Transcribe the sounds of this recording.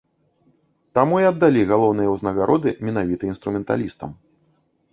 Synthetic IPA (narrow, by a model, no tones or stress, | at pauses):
t̪amuiɐd̪ːalʲiɣalˠɔwnɨjɐwznɐɣaɾʔɔd̪ɨmʲɛnavʲit̪ɐinst̪ɾumʲɛnt̪a̰lʲist̪ɐ̰m